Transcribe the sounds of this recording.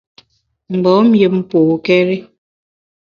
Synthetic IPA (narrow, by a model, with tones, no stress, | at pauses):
m̩˨ɡ͡bɔ˨˦m̩˦je˦˨p̚m̩˦poː˨kɛ˦ɾi˦